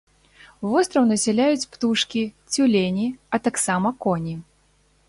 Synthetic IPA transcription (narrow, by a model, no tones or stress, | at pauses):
vɔst̪ɾɐwnɐsʲɛlʲajut͡sʲpt̪uʂkʲit͡sʲulʲenʲiɐt̪aksamɐkɔnʲi